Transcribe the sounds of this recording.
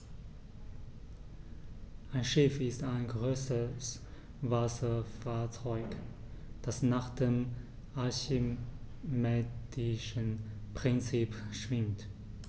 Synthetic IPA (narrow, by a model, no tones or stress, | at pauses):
ʔaɪnʃɪfɪstaɪnɡʁøːsəs | vasɐfaːɐt͡sɔʏk | d̥asnaːχd̥eːm | ʔaçi | mɛːdɪʃənpʁ̥ɪnt͡siːpʃv̥ɪmt